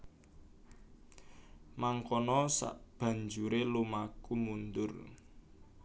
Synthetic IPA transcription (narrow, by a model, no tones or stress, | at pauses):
maŋkɔnɔsa̰ʔb̥ä̤ɲd͡ʒuɾelumakumund̪ʊr